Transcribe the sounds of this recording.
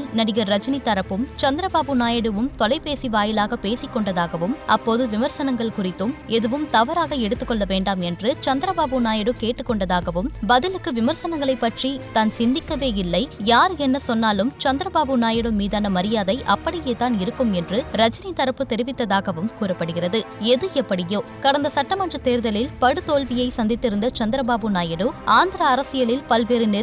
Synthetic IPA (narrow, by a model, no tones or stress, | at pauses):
lnɐɽɪɣɐɾɐt͡ʃɐnit̪ːɐɾɐpːɯmt͡ʃɐnd̪ɪɾɐbaːbɯnaːjɐɽɯʋɯmt̪ɔlɐɪpeːsiʋaːjɪlaːɣɐpeːsɪkːɔɳɖɐðaːɣɐʋɯmʔɐpːoːðɯʋɪmɐɾsɐnɐŋɡɐɭkʊrɪt̪ːɯmɛðɯʋɯmt̪ɐʋɐɾaːɣɐɛɽɯt̪ːɯkːɔɭːɐʋeːɳɖaːmɛndrɯt͡ʃɐnd̪ɪɾɐbaːbɯnaːjɐɽɯkeːʈːɯkːɔɳɖɐðaːɣɐʋɯmbɐðɪlɯkːɯʋɪmɐɾsɐnɐŋɡɐɭɐɪpːɐʈrit̪aːnsɪnd̪ɪkːɐʋeːɪlːɐɪjaːɾɛnːɐsɔnːaːlɯmt͡ʃɐnd̪ɪɾɐbaːbɯnaːjɐɽɯmːiːðaːnɐmɐɾɪjaːðɐɪʔɐpːɐɽɪjeːt̪aːnɪɾɯkːɯmɛndrɯɾɐt͡ʃɐnɪt̪ːɐɾɐpːɯt̪ɛɾɪʋɪt̪ːɐðaːɣɐʋɯmkuːrɐpːɐɽɯɣɪrɐðɯɛðɯɛpːɐɽɪjoːkɐɽɐnd̪ɐsɐʈːɐmɐndrɐt̪eːɾðɐlɪlpɐɽɯt̪oːlʋɪjɐɪsɐnd̪ɪt̪ːɪɾɯnd̪ɐt͡ʃɐnd̪ɪɾɐbaːbɯnaːjɐɽɯʔaːnd̪ɪɾɐːɾɐsɪjɐlɪlpɐlpeːɾɯnɪ